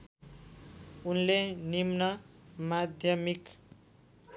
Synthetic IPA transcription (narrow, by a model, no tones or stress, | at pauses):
unlenimnʌmad̪ʱjʌmik